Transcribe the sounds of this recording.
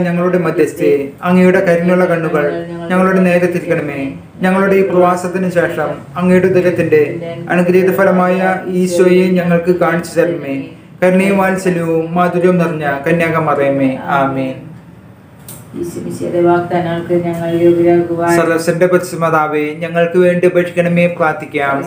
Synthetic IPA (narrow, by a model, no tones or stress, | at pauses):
ɲɐŋːɐɭuɽe̞mɐd̪jɐst̪eɐŋːejuɽe̞kɐɾunjuɭːɐkɐɳːuɣɐɭɲɐŋːɐɭuɽe̞ne̞ːɾɐt̪ːiɾikʲːɐɳɐmeː | ɲɐŋːɐɭuɽeiːprɐʋaːsɐt̪ːinɨɕe̞ːʂɐm | ɐŋːejuɽed̪ɐɾɐt̪ːinde̞ɐ̰ɳuɡɾeːd̪ɐfɐlɐmaːjɐiːɕʋɐjeɲɐŋːɐɭkɨkaːɳit͡ɕːut͡ɕɐrɐnɐmeː | kɐɾunejumaːlsɐliʋumːaːd̪uɾjɐmniriɲːɐkɐnjaːɣɐmɐrɐjumeːaːmeːn | iiɐ̰d̪eʋaːkt̪ɐːnaːɭkɨɲɐŋːɐɭubɐɾaːɡuʋasɐlɐsɐndepɐt̪isimɐðaːʋeɲɐŋːɐɭkɨʋe̞ːɳɖɨpɐʈʰːikʲːɐɳɐme̞ːpraːt̪ːikʲːaːm